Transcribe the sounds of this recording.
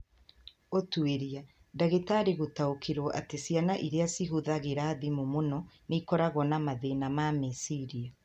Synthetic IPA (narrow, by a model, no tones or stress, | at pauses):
otueɾia | daɣetaɾiɣotaokʰeɾɔʔatesianaʔiɾeasiɦuðaɣeɾaðimomonɔnikɔɾaɣɔnamaðenamamesiɾia